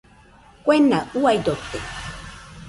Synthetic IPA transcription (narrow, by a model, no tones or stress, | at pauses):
kwenauajd̪ot̪e